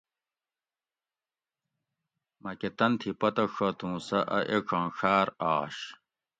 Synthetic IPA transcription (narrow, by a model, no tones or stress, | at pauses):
mɐket̪ɐnt̪ʰipɐt̪ɐʂʰɐt̪ũːsɐʔɐʔekʰɐ̃ːɕaːɾaːɕ